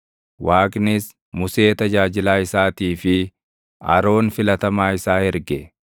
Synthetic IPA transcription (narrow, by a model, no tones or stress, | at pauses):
waːkʼnɪs | mʊse̞ːt̪ɐd͡ʒaːd͡ʒɪlaːɪsaːt̪iːfɪ | ɐ̰ɾo̞ːnfɪlɐt̪ɐmaːɪsaːhɛɾɡɛ